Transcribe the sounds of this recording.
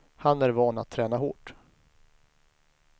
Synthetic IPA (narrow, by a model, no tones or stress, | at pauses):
hanæɾvɑːna̰t̪ʰːɾɛːnaɦo̰ːʈ